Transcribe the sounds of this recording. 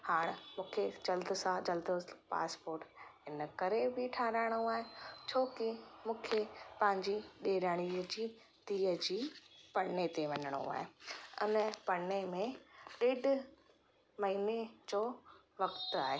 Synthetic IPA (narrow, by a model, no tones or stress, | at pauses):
haːɽ̃mũːkʰed͡ʑɐld̪əsãd͡ʑɐld̪əpa̰ːspoːɾʈɦɪnəkɐɾebɪʈʰaːɾaːɪɽ̃oaːɦet͡ɕʰoːkɪmũːkʰepɐ̃ɦɪ̃ɲd͡ʑiɗeːɾəːɽ̃iːəd͡ʑiː | t̪iːəd͡ʑiːpɐɽnet̪eʋɐɲəɽ̃o̰a̰ːɦeʊ̰npɐnemẽɗeːɖ | mɐɦiːned͡ʑoː | ʋɐkt̪aːɦeː